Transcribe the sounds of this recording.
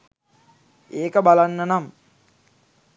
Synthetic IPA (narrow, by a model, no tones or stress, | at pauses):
eːkəbalanːənam